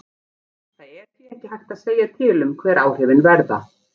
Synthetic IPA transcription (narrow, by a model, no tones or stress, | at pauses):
θaðɛɾθiɛhcɪhajhxt̪aðseːjat̪ʰɪːlʏmkʰvɛːɾʔaːwhɪvɪnvɛɾða̰